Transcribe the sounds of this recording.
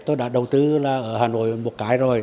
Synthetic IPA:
t̪o˧jɗa̰ː˧˥ɗə˨˩wt̪ɨ˧laː˨˩ʔəː˧˩haː˨˩no̰˧˨jmo˨˩t̚kaː˨˦jzo˨˩j

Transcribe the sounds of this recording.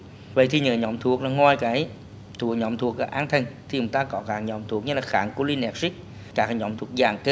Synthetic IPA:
və̰˨jt̪ʰi˨˩ɲə̰˨˩ɲɔ̰˧˨mt̪ʰu˨˩ək̚laː˨˩ŋwɔ˨˧˩jkaː˨˦j | t̪ʰu˨˩ək̚ɲɔ̰˧˩mt̪ʰu˨˩ək̚laː˨˩ʔaː˧nt̪ʰə˧˩ŋt̪ʰi˨˩hʊ˨˦ŋ͡mt̪aː˧kɔ˨˦kaː˨˦˥k̚ɲɔ̰˧˨mt̪ʰu˨˩ək̚ɲɨ˧laː˨˩xaː˨˩˦ŋku˧˦li˧nɛ˨˩k̚si˦˥k̚ | kaː˨˦kaː˨˦ɲɔ̰˨˧˩mt̪ʰu˨˩ə˩k̚zaː˨˩ŋke˧˦

